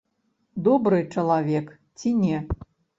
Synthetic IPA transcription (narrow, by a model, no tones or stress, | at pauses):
d̪ɔbɾɨt͡ʂɐlˠavʲɛk | t͡sʲinʲɛ